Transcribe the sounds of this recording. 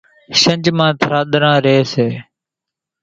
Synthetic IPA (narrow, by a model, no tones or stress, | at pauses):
ʃənd͡ʒmãːt̪ʰɾaːɗ̪ɾãːɾeːseː